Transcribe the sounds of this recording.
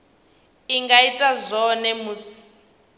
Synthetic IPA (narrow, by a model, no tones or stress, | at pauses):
iŋɡaitʼazʷɔnɛmuːsi̥